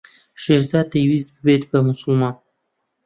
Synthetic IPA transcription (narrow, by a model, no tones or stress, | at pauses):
ʃeɾzɑd̪̚t̪awizbəbed̪̚bəmʊsʊlmɑn